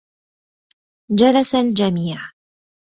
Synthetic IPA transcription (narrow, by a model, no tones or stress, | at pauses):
d͡ʒalasald͡ʒamiːʕ